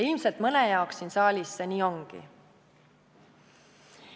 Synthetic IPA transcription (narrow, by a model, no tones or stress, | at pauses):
ilmselt̪mɤnejɑoksinsɑːlʲisːeniːo̞ŋɡ̥ḭ